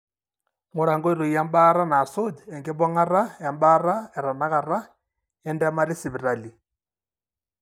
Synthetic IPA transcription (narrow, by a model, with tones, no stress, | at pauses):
mʊ˨ɺa˨ŋɡɔ˦i˦ɾo˨i˨ja˦m˦ba˦ɾa˦naː˨so˦dɛ˨ŋɡɛ˦bɔ˦ŋa˦ɾa˦ja˨m˦ba˦ɾa˦ɛ˨ɾa˨na˦ka˨ɾa˦ | ɛ˦ndɛ˦ma˦ɾi˦si˨βi˨ɾa˨li˨